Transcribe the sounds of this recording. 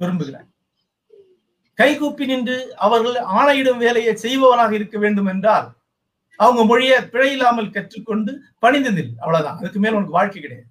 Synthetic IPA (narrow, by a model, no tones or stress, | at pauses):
pɛɾɯmbɯɣɪɾa̰ː | kɐɪɣuːpːɪnɪndrɯɐʋɐɾɣɐɭaːɳɐjɪɽɐmʋeːlɐjɐsɛjʋɐʋɐnaːɣɐɪɾɯkːɐʋeːɳɖɯmɛndraːl | ɐʋɐŋɡɐmɔɻɪjɐpɪɻɐjɪlːaːmɐlkɐʈrɯkːɔɳɖɯ | pɐɳɪnd̪ɐnɪlɐʋɐɭɐða̰ːnɐðɐkːɯmeːlmʊnɐk̬ːɯʋaːɻkɐɪkːɪɽɐja̰ːð